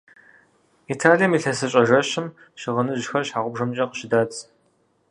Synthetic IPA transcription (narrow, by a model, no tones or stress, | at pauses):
itʰaːlijɐmiːɬɐsɨɕʼɐʒɐɕɪm | ʃɪʁɐnɨʑxɐrɕħaːʁʷʊbʒɐmt͡ʃʼɐqəɕɪdaːt͡sʼ